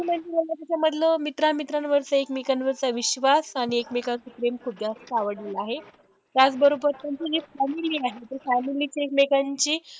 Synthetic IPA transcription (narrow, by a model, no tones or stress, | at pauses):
im̤əɳd͡zeməlːat̪jat͡ɕjaməd̪ʱləmit̪ɾamit̪ɾanʋəɾt͡səekmekanʋəɾt͡saʋiɕʋasaɽ̃iekmekasupɾemkʰud̪ʱjast̪aʋəɽlelaɦe | t̪jat͡sbəɾobəɾt̪ant͡ɕid͡ʑefæmiliːaɦet̪əɾfæmilit͡ɕiekmekaɲt͡ɕiː